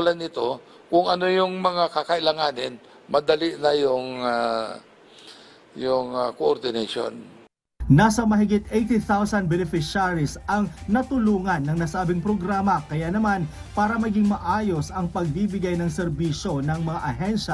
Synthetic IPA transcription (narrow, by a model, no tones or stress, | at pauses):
lɐnːɪt̪o̞ | kʊŋɐnojʊŋmɐŋakɐkɐʔɪlɐŋaːnɪn | mɐd̪ɐliʔnɐjʊŋa | jʊŋakoʔoɾd̪ɪnaʃo̰n | naːsɐmɐɦɪɡɪt̪̚ʔejt̪iθawsɐnd̪̚bɛnɪfɪʃaɾisɐŋnɐt̪ʊluːŋɐnːɐŋnɐsaːbɪŋpɾoɡɾaːmɐkɐjanɐman | paːɾɐmɐɡɪŋmɐʔaːjo̞sɐŋpɐɡ̚b̪iːbɪɡajnɐŋsɛɾbiːʃo̞nɐŋmɐŋaʔɐɦɛnʃɐ